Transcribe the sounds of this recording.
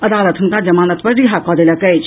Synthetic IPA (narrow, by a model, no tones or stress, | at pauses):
ɐd̪aːlət̪ʰunkad͡ʒɐmaːnət̪pɐɾɾiɦakɔːd̪elɐkɐjt͡ʃʰ